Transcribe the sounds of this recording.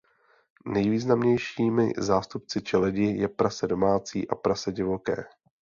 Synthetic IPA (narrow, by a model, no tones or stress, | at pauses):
nɛjviːznamɲɛjʃiːmɪ̰zaːst̪up̚t͡sɪt͡ʃɛlɛɟɪjɛpɾasɛdo̞maːt͡sḭːʔapɾasɛɟɪvo̞kɛ̰ː